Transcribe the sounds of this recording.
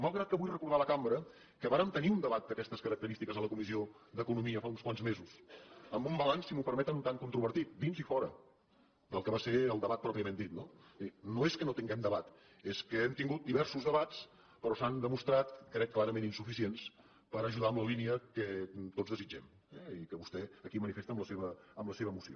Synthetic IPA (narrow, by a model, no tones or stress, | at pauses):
malˠɣɾat̪̚kəβujrəkuɾð̞aləkambɾə | kəβaɾəmt̪əniund̪əβat̪̚d̪əkɛst̪əskəɾək̚t̪əɾist̪ikəzðələkumizio | d̪əkunumiəfaunskwanzmezusəmbumbəlansimupəɾmɛt̪ənunt̪aŋkunt̪ɾuβəɾt̪it̪̚d̪inzifɔɾə | d̪əlˠkəβaseɾəlˠd̪əβat̪̚pɾɔpiəmend̪it̪̚nonoeskənot̪iŋɡɛmd̪əβat̪ | eskəɛmt̪iŋɡut̪̚d̪iβɛɾsuzðəβat͡s | pəɾɔsand̪əmust̪ɾat̪kɾɛkːlaɾəmẽninsufisiens | pəɾəʒuðaəmləliniəkət̪ozðəzid͡ʒɛm | ɛikəβust̪ɛəkimənifest̪əmləseβəːmləseβəːmusio̰